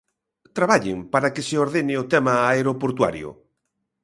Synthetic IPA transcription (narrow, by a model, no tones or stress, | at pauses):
t̪ɾaβaʎɪ̰ŋpaɾakɪseoɾðenɪot̪ɛmaːeɾopoɾt̪wa̰ɾjʊ̰